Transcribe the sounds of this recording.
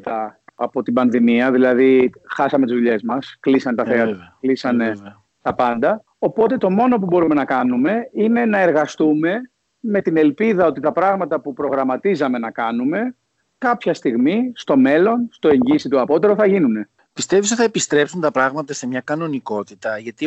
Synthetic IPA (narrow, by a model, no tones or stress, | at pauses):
t̪ɐɐpo̞t̪ibɐnðimiɐðilɐðixɐsɐmet̪izðuʎe̞zmɐsklisɐnet̪ɐθeɐklisɐne | t̪ɐpɐnd̪ɐ | o̞po̞t̪e̞t̪o̞mo̞no̞p̬ubo̞ɾume̞nɐkɐnume̞ine̞nɐe̞ɾɣɐst̪ume̞ | me̞t̪ine̞lpiðɐo̞t̪it̪ɐpɾɐɣmɐt̪ɐpupɾo̞ɣɾɐmɐt̪izɐme̞nɐkɐnume̞ | kɐpçɐst̪iɣmist̪o̞me̞lo̞nst̪o̞e̞ɲɟisit̪uɐpo̞t̪e̞ɾo̞θɐʝinune̞ | pist̪evisot̪iθɐepist̪ɾe̞psunt̪ɐpɾɐɣmɐt̪ɐse̞mɲɐkɐno̞niko̞t̪it̪ɐʝɐt̪i